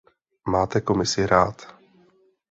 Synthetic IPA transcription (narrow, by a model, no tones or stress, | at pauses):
maːt̪ɛko̞mɪsɪɾaːt̪